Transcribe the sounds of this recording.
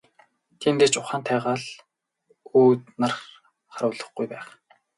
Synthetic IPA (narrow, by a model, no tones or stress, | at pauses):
t̪ʰent̪eːt͡ɕʊχaːnt̪ʰæːʁaːɮ | uːt̪narχ | χaɾʊːɮə̆χɡujpæːχ